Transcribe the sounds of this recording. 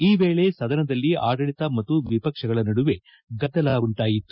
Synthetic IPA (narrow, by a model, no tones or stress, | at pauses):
iːʋe̞ːɭe̞sɐd̪ɐnɐd̪ɐlːiaːɡɐɭit̪ɐmɐt̪ːuʋipɐkʂɐɡɐɭɐnɐɽuʋe̞ | ɡɐd̪ːɐlaːɡuɳʈaːjit̪ːu